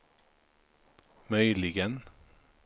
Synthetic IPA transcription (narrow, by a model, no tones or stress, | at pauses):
mœʏlɪɡən